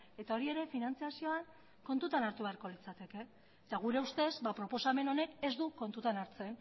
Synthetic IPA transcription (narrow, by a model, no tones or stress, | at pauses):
e̞t̪ao̞ɾie̞ɾe̞finant͡siasio̞aŋ | ko̞nt̪ut̪anaɾt̪uβe̞aɾko̞lit͡sat̪e̞ke̞ | t̪aɣ̞uɾe̞ust̪e̞zbapɾo̞po̞same̞no̞ne̞ke̞zd̪uko̞nt̪ut̪anaɾt͡se̞n